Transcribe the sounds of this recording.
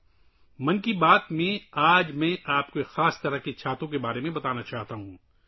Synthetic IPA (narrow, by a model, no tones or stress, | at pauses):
mɐnkibaːt̪mẽaːd͡ʒmɛ̃ʔaːpkoxaːst̪ɐɾəkit͡ʃʰaːt̪õk̬ebaːɾemẽbɐt̪aːnat͡ʃaːɦt̪aɦũː